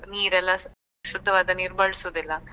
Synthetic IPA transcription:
niːɾɛlːɐ | ʃud̪ʱːɐʋaːd̪ɐniɾbaːɭisud̪ilːɐ

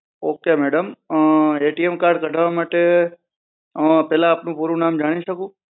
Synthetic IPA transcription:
oːkemɛːɽəm | eːʈiemkaːɾɖ̚kəʈʰaʋamaːʈe | pɛɦlãːpnũpuɾũnaːmd͡ʒaːɽ̃iʃəkũː

